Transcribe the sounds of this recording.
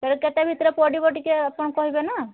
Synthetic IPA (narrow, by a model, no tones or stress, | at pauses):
keɾuket̪ebʱit̪ɾepɔɖibɔʈikeapɔɳkɔɦibena